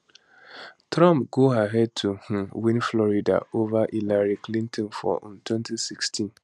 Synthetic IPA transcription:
tɾɔ̃mpɡoaɦɛd̚tʰuh̩wĩnflɔɾida̰ovaʔilaɾiklĩntʰɔ̃nfɔ̰ʔntwɛ̃ntisikstʰĩn

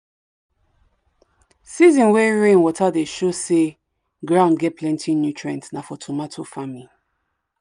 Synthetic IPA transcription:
sizĩnwɛɹẽnwɔtadeʃose | ɡɹãʊ̃nɡɛt̚pʰlɛ̃ntʰinjutʰɹɛ̃ntnafɔtʰomatʰofami

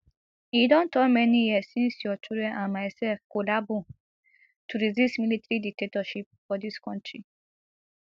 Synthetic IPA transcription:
idɔ̃ntɔmɛ̃niɛsĩnsiɔtʰuɾɛʔãmajsɛfkolabu | tʰuɾizismilitɾiditetɔʃip̚fɔdiskɔ̃ntʰɹi

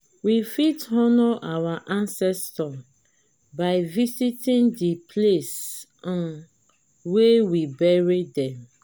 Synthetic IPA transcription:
wifitɔnɔʔawaʔãnsɛstɔ | baɪvisitĩndipʰlesɔ̃n | wewibɛɹidɛ̃m

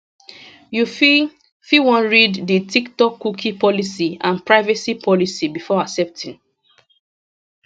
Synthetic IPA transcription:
juf | fiwɔ̃nɹidditiktɔkːukʰipɔlisiãnpɹaɪvɛsipʰɔlisibifɔaksɛp̚tʰĩn

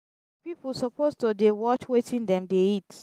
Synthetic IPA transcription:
pipusɔpoztodewɔt͡ʃwetʰĩndɛ̃mdeit

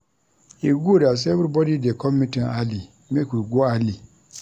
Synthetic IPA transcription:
eɡuodas̬ɛbɾibɔdidekʰɔmĩtĩali | mekuɾɡoali

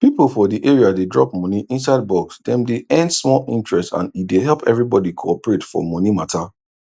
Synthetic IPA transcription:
pipl̩fɔdiʔeɹiadedɹɔ̰p̚mɔ̃niʔĩns̬aɪd̚bɔksdɛ̃mdeɛ̃ndsmɔlĩntɹɛstã̰nideɦɛlpɛvɹibɔdikʰoɔpɹetfɔ̰mɔ̃nimatʰa

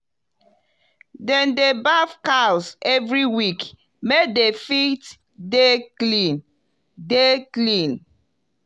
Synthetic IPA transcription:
dɛ̃ndebafkawsɛvɹiwik | mek̚defit | deklĩn | deklĩn

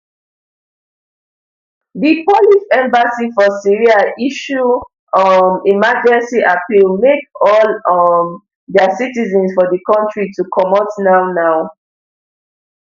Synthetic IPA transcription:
dipɔlifɛ̃mbasifɔsiɹiaʔiʃu | mimad͡ʒɛ̃nsiʔapilmekɔlm | dɛsitizɛ̃nsfɔdəkɔ̃ntɹitukʰɔmɔtnaʊnaʊ

